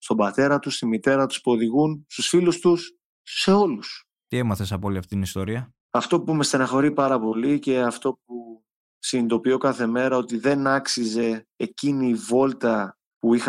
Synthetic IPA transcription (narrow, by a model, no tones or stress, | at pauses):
st̪o̞bɐt̪e̞ɾɐt̪ust̪imit̪e̞ɾɐt̪u̥spuo̞ðiɣunst̪usfilust̪usː | e̞o̞lus | t̪ie̞mɐθesɐpoliɐft̪it̪inist̪oɾiɐ | ɐft̪o̞pume̞st̪enɐxo̞ɾipɐɾɐpo̞lice̞ɐft̪o̞p̚u | sind̪o̞pio̞kɐθe̞me̞ɾɐo̞t̪iðe̞nɐksize̞ːciniːvo̞lt̪ɐ | puix